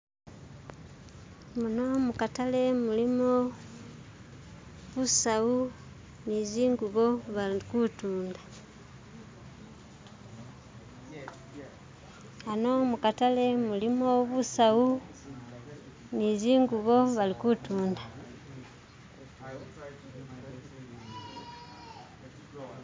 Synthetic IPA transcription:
munomukatale̞mulimo | βusau | niziːŋɡuβoβakutuːnda | anomukatale̞mulimo̞βusau | niziːŋɡuβo̞βalikutuːnda

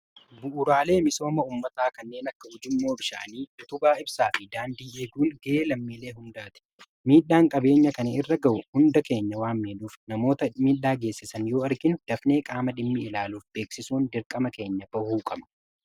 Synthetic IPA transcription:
bʊʔʊɾaːle̞ːmɪso̞ːmɐuːmːɐt̪aːkɐnːe̞ːnɐkːɐhʊd͡ʒɪmːo̞ːbɪʃa̰ːniːd̪ʊt̪ʊbaːɪbsaːfɪd̪aːnd̪iːeːɡuːŋɡɐʔeːlɐmːiːle̞ːɦʊnd̪aːt̪ɪ̥ | miːᶑaːŋkʼɐbe̞ːɲːɐkɐnɐɪrːɐɡɐʔʊhʊnd̪ɐke̞ːɲːɐwaːmmeːᶑuːfnɐmo̞ːt̪ɐmiːᶑːaːɡeːsːɪsɐnjo̞ːɐɾɡɪnʊd̪̥ɐfne̞ːkʼaːmɐd̪ɪmːɪɪlaːluːfbe̞ːksɪsuːnd̪ɪɾkʼɐmɐke̞ːɲːɐbɐhuːkʼɐmɐ̥

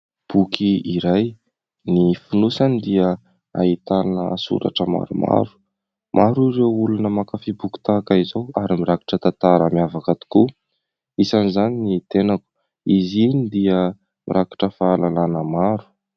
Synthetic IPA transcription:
b̥ukʰiiɾaj | nifunusanid̪iə | a̰it̪anəsṵɾa̰ʈ͡ʂəma̰ɾuma̰ɾu̥ | mʔaɾuɾewulunəmakafibuki̥t̪akaizowaɾimiɾaki̥ʈ͡ʂət̪at̪aɾa̰miavakat̪i̥ku | isanizaninit̪enaku̥ | izinid̪iə | mḭɾaki̥ʈ͡ʂəfaalananəmaɾu̥

